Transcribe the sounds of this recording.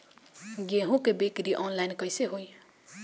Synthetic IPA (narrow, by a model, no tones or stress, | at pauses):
ɡeɦũkebekɾiʔɔnlajnkʌjseɦoj